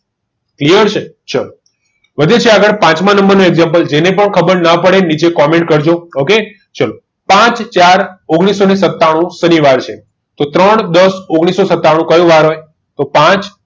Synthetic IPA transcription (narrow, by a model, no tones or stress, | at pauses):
klijəɾt͡ʃʰe | t͡ʃalo | ʋəd̪ʱet͡ʃʰeaɡəɽpãt͡ʃmãnəmbəɾnũeɡzampəld͡ʒenepəɳkʰəbəɾnapəɽenit͡ʃekɔmẽɳʈkəɾd͡ʒooke | t͡ʃalo | pãt͡ʃt͡ʃaɾoɡɽ̃isonesət̪ːaɽ̃ũsəniʋaɾt͡ʃʰe | t̪ot̪ɾəɳd̪əsoɡɽ̃isosət̪ːaɽ̃ũkəjũʋaɾɦoj | t̪opãt͡ʃ